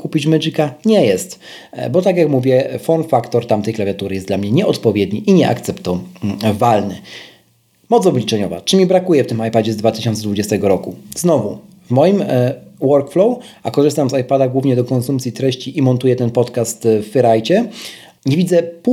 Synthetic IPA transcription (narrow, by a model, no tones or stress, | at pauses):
kupʲit͡ɕmɛʐikaɲɛjɛst̪ | bɔt̪akʲjakmuvʲjɛfɔnfakt̪ɔɾt̪amt̪ɛjklavʲjat̪uɾɘjɛsd̪lamɲɛɲɛɔt̪pɔvʲjɛd̪ɲiʔiɲɛʔa̰kt̪sɛpt̪ɔvalnɘ̰ | mɔt̪sɔblʲit͡ʂɛɲɔva̰t͡ʂɘmʲibɾakujɛft̪ɘmajpad͡ʑɛzd̪vat̪ɘ̥ɕɔnt̪sɛd̪vud͡ʑɛst̪ɛɡɔɾɔkuznɔvu | vmɔjimwɔɾkflɔwakɔʐɘst̪amzajpad̪aɡwuvɲɛd̪ɔkɔnsumpt̪sʲjit̪ɾɛɕt͡ɕiʔimɔnt̪ujɛt̪ɛnpɔt̪kast̪fːɛɾajt͡ɕɛ | ɲevʲid̪zɛp